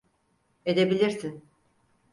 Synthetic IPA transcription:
ed̪ebilʲiɾsin

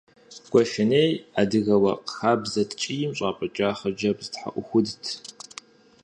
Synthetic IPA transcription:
ɡ̥ʷʼɔʃɪneːjadɨɣɐwɐ̰qxaːbzɐtʰt͡ʃʼijɪmɕʼaːpʼɐt͡ʃʼaːχɐd͡ʒɐbztħa̰ʔʷʊxʷʊdtʰ

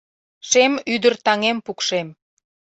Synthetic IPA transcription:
ʃemyd̪ərt̪ɑŋempukʃem

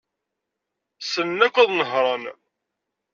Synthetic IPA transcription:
sənːækʷːæðˤnəɦɾˤɑn

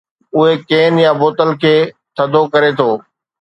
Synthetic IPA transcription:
ʊɦekeːnjãboːt̪əlkʰeː | t̪ʰɐd̪ʱokɐɾet̪ʰoː

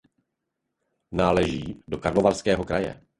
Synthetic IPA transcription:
naːlɛʒiːdo̞kaɾlovalskɛːɦo̞kɾajɛ̰

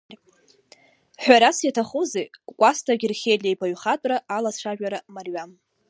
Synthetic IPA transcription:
ħʷᶣaɾasjatʰaχuzejkʷʼastʰaɡʲɪrχʲejlʲejbʰaɥχatʷʼraalaʂʷʰaʒᶣaɾamarɥam

